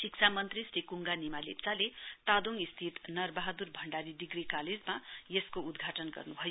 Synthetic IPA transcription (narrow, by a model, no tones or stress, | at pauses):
sikt͡sʰamʌnt̪risrikuŋɡanimalḛpt͡salet̪ad̪oŋist̪ʰit̪nʌrbaɦad̪urbʱʌɳɖaɾid̪iɡrikaled͡zmajeskoud̪ɡʱaʈʌnɡʌ̰rnubʱʌjo